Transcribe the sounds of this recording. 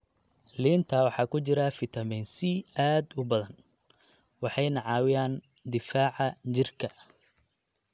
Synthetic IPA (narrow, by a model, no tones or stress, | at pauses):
liːnt̪ʰɐwɑħɑːkʰʊt͡ʃɪɾɐfɪt̪ʰɐmɛnsɪaːd̪ʊbɐðɐn | wɑħɑjnɐʕɑːwɪjaːn | d̪ɪfaːʕɐt͡ʃɪrkʰɐ